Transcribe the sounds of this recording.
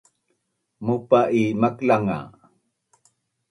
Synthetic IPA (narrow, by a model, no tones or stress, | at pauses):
mupaʔimaklaŋa̰